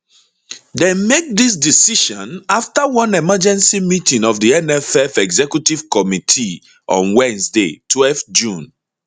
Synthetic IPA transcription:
dɛmek̚dis̬disiʃɔ̃naftawɔ̃nɛmad͡ʒɛ̃nsimitĩŋɔfdiɛnɛfɛfɛɡzɛkjutiv̥kɔmitʰi | ʔɔ̰̃nwɛ̃nsdḛtʰwɛlftd͡ʒũn

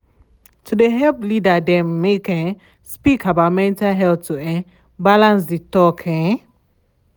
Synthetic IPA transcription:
tʰudeɦɛlplidadɛ̃mːekɛ̃ | spikʰabaʊmɛ̃ntalɦɛltuɛ̃ | balãns̬ditɔkʰɛ̃

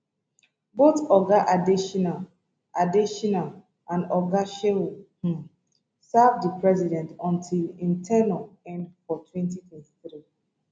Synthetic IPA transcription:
botɔɡaʔadiʃɔnal | adiʃɔnal | ʔãndɔɡaʃehũ | savdipʰɹɛzidɛ̃ntɔ̃ntʰilĩntʰɛnalɛ̃ndfɔtʰwɛ̃ntitʰwɛ̃nti̥θɹi

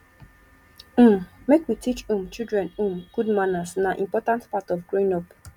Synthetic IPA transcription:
m̩mmekwitit͡ʃũmt͡ʃildɹɛ̃nũmɡ̥udmanasnaʔḭ̃mpɔtãntpatɔvɡɹĩnɔp

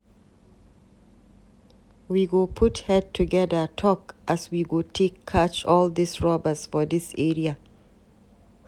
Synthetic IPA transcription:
wiɡopʰʊthɛd̚tʰuɡɛðətʰɔkʔaswiɡotʰekʰːat͡ʃɔld̪isɹɔbəsfɔdɪsɛɹia

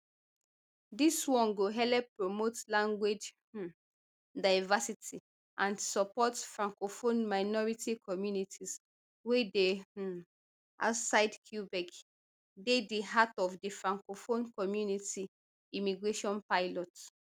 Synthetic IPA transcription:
diswɔ̃nɡoɦɛlɛpːɹomotlãŋɡwed͡ʒ | dajvasitʰi | ʔãnsɔpɔtfɹãŋkofonmaɪnɔɹitikʰɔmjunitʰis | wede | ʔa̰wtsaɪdkʰjubɛɡ | dediɦatɔfdifɹãŋkofõnkɔmjuniti | imiɡɹeʃɔ̃npaɪlɔt

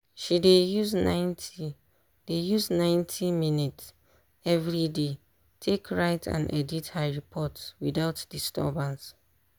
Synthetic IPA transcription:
ʃidejuznãɪnti | d̥ejuznãɪ̃ntʰiminits | ɛvɹide | tʰekʰɹaɪtʰã̰nʔɛ̰dithəɹipʰɔtswiðaʊtd̥istɔ̰bãns

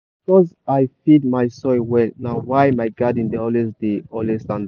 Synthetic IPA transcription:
bikɔzajfid̚majsɔwɛlnawajmajɡadĩndəɔlɛsdeɔlɛstãnd

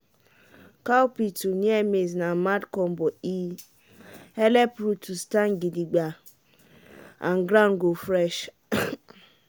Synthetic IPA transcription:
kawpituniɛmeznamadkɔ̃mbɔi | hɛlɛpɾutʰustanɡidiɡ͡ba | ã̰nɡɾanɡofɾɛʃ

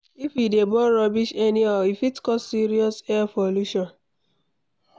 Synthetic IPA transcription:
ifidebɔɾɔbiʃɛniaifitkɔssiɾiɔsɛapoluʃɔ̃n

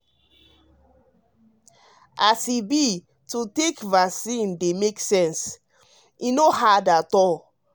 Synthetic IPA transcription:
ʔasibi | tutekvasĩndemeksɛ̃ns | inohadatɔl

